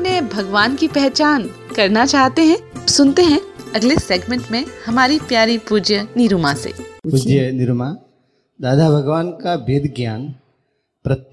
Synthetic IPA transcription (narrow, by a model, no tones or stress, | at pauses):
nebʱɐɡʋaːnkipɛɦt͡ʃaːn | kɐɾnat͡ʃaːɦt̪eɦɛ̃sʊnt̪eɦɛ̃ɐɡleseːɡmẽɳʈmẽhɐmaːɾipjaːɾipuːd͡ʒjənɪɾumasḛːpud͡ʒjənɪɾuma | d̪aːd̪ʱabʱɐɡʋaːnkabed̪ɡjaːn | pɾɐt̪